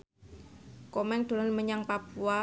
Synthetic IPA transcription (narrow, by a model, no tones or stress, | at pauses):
komɛŋd̪̥o̤lanməɲaŋpapua